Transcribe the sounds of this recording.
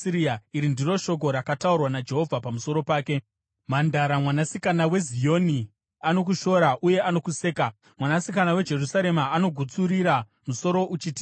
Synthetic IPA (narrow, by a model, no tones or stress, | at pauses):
iɾiaiɾindiro̞ʃo̞k̬o̞ɾakataurwanad͡ʒe̞ɦo̞vʱapamuso̞ɾo̞paːke̞ | mandaɾamwanasikanawe̞zijo̞ni | ano̞k̬uʃo̞ɾaʔuje̞ano̞kuse̞ːka | mwanasikanawe̞d͡ʒe̞rusaɾe̞maːno̞ɡʱut͡suɾiɾa | muso̞ɾo̞ʔut͡ʃiti̥